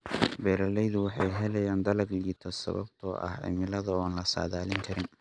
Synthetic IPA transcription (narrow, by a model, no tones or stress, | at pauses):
bɛːɾɐlɛjðʊwɑħɑ̰jɦɛlɛjaːnd̪ɐlɐɡliːt̪ʰɐsɐ̰βɐ̰bt̪ʰɔ̰ːʔɐ̰hɪ̰mɪlɐðɐɔːnlɐsa̰ːðaːlɪŋkʰɐɾɪn